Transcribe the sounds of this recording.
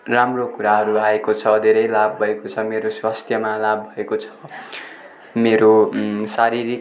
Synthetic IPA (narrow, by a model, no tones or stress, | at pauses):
ramrokuɾaɦʌɾuaekot͡sʰʌd̪ʱeɾʌjlabːʱʌekot͡sʰʌmeɾoswast̪ʰjʌmalabːʱʌekot͡sʰʌ̥ | meɾosaɾiɾi